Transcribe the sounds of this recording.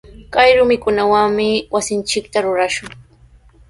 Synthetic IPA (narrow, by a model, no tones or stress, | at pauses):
kajɾʊmɪkʊnawaŋmɪwasɪnt͡ʃɪkt̪aɾʊɾaʃʊŋ